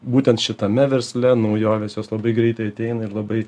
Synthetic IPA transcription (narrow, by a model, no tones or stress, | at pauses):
buːt̪ʲɛnt̪ʃʲɪt̪ɐmʲɛʋʲɛɾʲsʲlʲɛnɐʊjoːʋʲeːsjoːslˠɐbɐɪɡɾʲɛɪt̪ɐɪɐt̪ʲɛɪnɐɪɾlˠɐbɐɪ